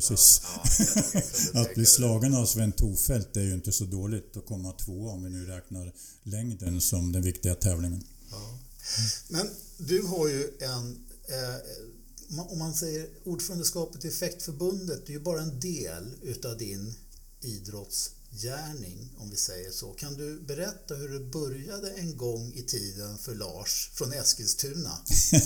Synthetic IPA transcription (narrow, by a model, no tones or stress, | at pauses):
siːs | at̪̚bliːslɑːɡanaɔsvɪɛnt̪ʰːuːfɛlt̪̚d̪ɛæɾjɵɪnt̪əsɔd̪oːlɪɡt̪ɔkʰɔmːat̪ʰvoːɔmvɪnʉ̟ːɾɛːknaɾ | lɛŋd̪ənsɔmd̪ɛnvɪkt̪ɪɡat̪ʰɛːvlɪŋən | mɛn | d̪ɵɦaɾjɵɛn | ɔmːansɛjːəɾuːɖfœːɾand̪əskɑːpət̪ɛfɛkt̪fœɾbɵnd̪ət̪̚d̪ɛjɵbɑːɾaɛnd̪eːlʉ̟ːt̪avd̪ɪn | iːd̪ɾɔt̪s | jæːɳɪŋɔmvɪsɛjːəʂo̰kʰand̪ɵbɛɾɛt̪ːaɦɵɖɛbœɾjad̪əɛnɡɔŋːɪt̪ʰiːd̪ənfœɭɑ̰ːʂfɾɔnɛskɪst̪ʰʉ̟ːna̰